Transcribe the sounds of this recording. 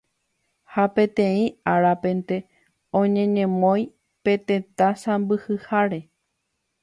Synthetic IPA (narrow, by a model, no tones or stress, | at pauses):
hapẽ̞t̪ẽ̞ĩaɾapẽ̞nt̪e̞ | õɲẽ̞ɲẽ̞mõj̃ | pe̞t̪e̞t̪ãsãmbɨhɨhaɾe̞